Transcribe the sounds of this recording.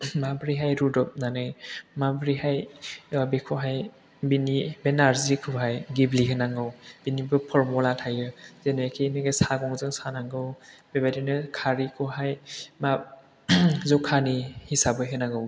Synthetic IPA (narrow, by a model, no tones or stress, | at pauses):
mabɾiɦajɾudɔp̚nanɯjmabɾiɦajbekʰɔɦaj | binibenaɾzikʰɯɦajɡibliɦɯnaŋɡɯwb̥inibɯpʰɔɾmɔlatʰajɯzenɯjakʰinɯɡesaɡɔŋzɯŋsanaŋɡɯwbebajdinɯkʰaɾikʰɔɦajma | zɔkʰanihisabɯɦɯnaŋɡɯw